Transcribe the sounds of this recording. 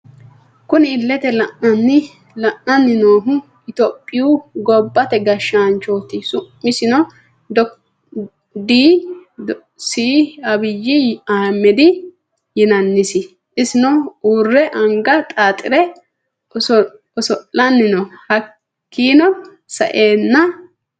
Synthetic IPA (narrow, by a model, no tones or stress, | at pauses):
kʊnɪɪlːɛt̪ɛlɐʔːɐnːɪ | lɐʔːɐnːɪnoːɦʊ | ɪt̪ɔpʼːɪjuɡɔbːɐt̪ɛɡɐʃːaːnt͡ʃoːt̪ɪsʊmːɪsɪnɔ | d̪ | d̪iː | siːɐbɪjːɪaːmːɛd̪ɪ | jɪnɐnːɪsɪ | ɪsɪnɔuːrːɛʔɐŋɡɐt̪ʼaːt̪ʼɪ̰ɾɛ | ɔ | ɔsɔlːɐnːɪnɔhɐ | kːiːnɔ | sɐ̰ʔeːnːɐ